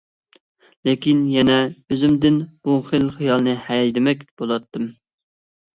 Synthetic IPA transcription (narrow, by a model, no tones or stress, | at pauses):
lekʲinjɛnɛøzɪmd̪ɪnb̥uχəlχijɑlˠnɨhɛjjd̪ɪmɛkʲb̥olˠɑt̪ːɨm